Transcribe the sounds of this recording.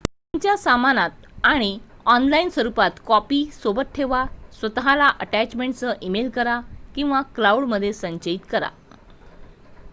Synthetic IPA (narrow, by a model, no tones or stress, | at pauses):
t̪uɲt͡ɕjasamanat̪̚aɽ̃iɔnlainsʋəɾupat̪kɔpisobət̪̚ʈʰeʋasʋət̪aɦalaʔəʈæt͡ɕmẽɳʈt͡səʔimelkəɾakĩw̃ʋaklauɽməd̪ʱːjesəɲt͡ɕəit̪kəɾa̰